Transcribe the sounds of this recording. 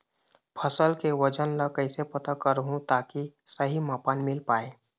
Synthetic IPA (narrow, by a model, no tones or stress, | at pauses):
pʰəsəlkeʋɐd͡ʒənlakɐɪsepɐt̪akəɾɦũt̪aːkisəɦimaːpaːnmɪlpaːeː